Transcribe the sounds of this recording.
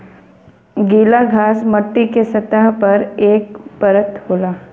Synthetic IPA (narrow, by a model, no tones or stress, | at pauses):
ɡiːlaɡʱaːsmɐʈːikesɐt̪aɦpɐɾeːk̚pəɾət̪hoːlaː